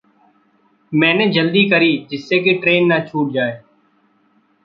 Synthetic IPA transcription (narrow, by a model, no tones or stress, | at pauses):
mɛ̃ːnẽːd͡ʒəld̪iːkəɾiːd͡ʒɪsːeːk̬eːʈɾeːnːaːt͡ʃʰuːʈ̚d͡ʒaːeː